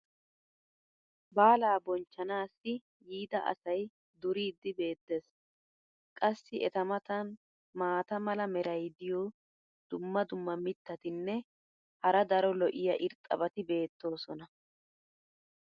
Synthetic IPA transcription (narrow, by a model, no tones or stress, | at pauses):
baːlaːbɔnt͡ʃːɐnaːsːɪ | jiːd̪ɐʔɐ̰sɐj | d̪ʊɾiːd̪ːɪbe̞ːt̪ːeːs | kʼɐsːɪʔɛt̪ɐmɐt̪ɐn | maːt̪ɐmɐlɐmɛɾɐjd̪ɪjoː | d̪̥ʊmːɐd̪ʊmːɐmɪt̪ːɐt̪ɪnːɛ | hɐɾɐd̪ɐɾɔlɔʔɪjɐʔɪɾt̪ʼɐ̰bɐt̪ɪbe̞ːt̪ːo̞ːsɔnɐ